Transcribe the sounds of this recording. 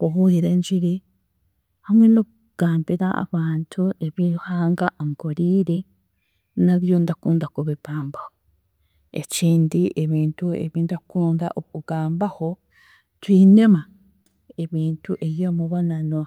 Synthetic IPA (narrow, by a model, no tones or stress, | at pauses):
kuɦuðiɾend͡ʒiɾi | hamweno | ɡ̥aːmbeɾaa̰βaːnt̪ʰueβihaːŋɡaʔŋɡoɾiːɾe | naðjond̪akuːnd̪akoβiβaːmbaho | ḛt͡ʃiːnd̪ieβiːntuḛβind̪akuːnd̪a̰ʔokuɡaːmbaho | t̪wiːnema | eβiːntʰuʔejomuβananoa